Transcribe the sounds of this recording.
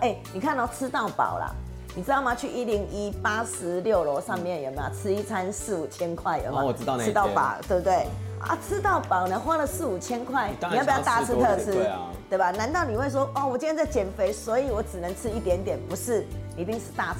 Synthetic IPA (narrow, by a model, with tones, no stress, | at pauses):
ʔe˥˩ni˨˩kʰa˥˧na˥˩ʊt͡s̩ʰ˥t̪ɑ˥˨˩ʊpa̰˨˩ʊla̰˩ | ni˨˩t͡sɻ̩˥t̪ɑ˥˩ʊma˨˩t͡ɕʰy˥˩ʔi˦˥li˧˥ŋi˦pa˦ʂɻ̩˧˦ljo˥˨˩ʊlɔ˧˦ʂɑ˥˧ŋmjɛ˥˨njɛ˨˩ma̰˨˩t͡s̩ʰ˥i˥t͡sʰa˦nsɹ̩˥˩u˨˩t͡ɕʰjɛ˥nkʰwa˥˩ɪjɛ̰˨˩a˨˧˥t̪ɑ˥˩ʊpa̰˨˦t̪we˥˧˩t̪we˥˩ɪa̰˥˦t͡s̩ʰ˦˥t̪ɑ˥˩ʊpɑ˨˩ʊnə˨˦xwa˥lə˨sɹ̩˥˩u˨˩t͡ɕʰjɛ˥nkʰwa˥˩ɪni˨a˥˩pjt̪̩ʰː˥˨˥t̪ʰɤ˥˧˨t͡s̩ʰ˦˥t̪we˥˩ɪba˨˩na˧˦nt̪ɑ˥˩ʊni˨˩we˥˩ɪʂ̬wɔ˥ʔɔ˥˩wɔ˨˩t͡ɕi˥˧˥nt͡sa˥˩ɪt͡ɕjɛ˨˩nfe˧˥ɪswɔ˧˥i˨˦wɔ˨˧˥ʈ͡ʂɻ̩˨˩nə˧˦ŋt͡sʰɻ̩˦˥i˥˩t̪jɛ˧˥nt̪jɛ˨˩npu˧˥ʂɻ̩˥˩i˧˥˩t̪i˥˧ŋʂ̩˥˧t̪a˥˩